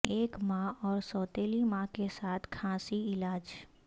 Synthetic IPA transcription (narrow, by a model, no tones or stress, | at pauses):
eːkmãɔːɾsɔːt̪eːlimãkesaːt̪ʰkʰãːsiɪlaːd͡ʒ